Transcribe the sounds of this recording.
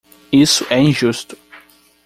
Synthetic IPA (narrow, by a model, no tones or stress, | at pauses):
isʊʔɛĩʒust̪ʊ̥